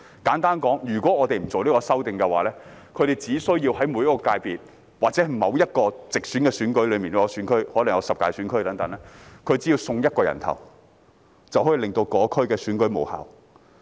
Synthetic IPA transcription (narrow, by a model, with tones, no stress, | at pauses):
kaː˨˥nt̪aː˥nkɔː˨˥ŋjyː˨˩kwɔː˨˥ŋɔː˨˧t̪e˨jm̩˨˩t͡so˨wliː˥kɔː˧sɐ˥wt̪ɪ˨ŋkɛ˧wa̰ː˨lɛː˥ | kʰɵ˨˧ɥɾe˨jt͡siː˨˥sɵ˥ɥjiː˧whɐ˨˥jmu˨˧jɐ˥kːɔː˧kaː˧jpiː˨t̚ | waː˨k̚t͡sɛ˨˥˨mɐ˨˧wjɐ˥t̚kɔː˧t͡sɪ˨k̚syː˨˥nkɛː˧syː˨˥nkɵ˨˥ɥlɵ˨˧ɥmiː˨nː˧˥kɔ˧syː˨˥nkʰɵ˥ɥhɔː˨˥lɐ˨˩ŋjɐ˨˧wsɐ˨p̚kaː˧jsyː˨˥nkʰɵ˥jt̪ɐ˨˥ŋt̪ɐ˨˥ŋlɛː˥kʰɵ˧ɥt͡siː˨˥jiː˧wsʊ˧ŋjɐ˥t̚kɔː˧jɐ̰˨˩nt̪ʰɐ̰˨˩w | t͡sɐ˨whɔː˨˥ji˨˧lɪ˨ŋt̪o˧wkɔː˨˧˥kʰɵ˥ɥkɛː˧syː˨˥nkɵ˨˥ɥmo˨˩wha̰ː˨˩w